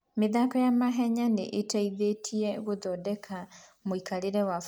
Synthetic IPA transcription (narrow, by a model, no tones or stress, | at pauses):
meðakɔjamaɦɛɲaneʔetaiðetʰiɛɣoðɔːdɛkʰamoikʰaɾeɾɛwa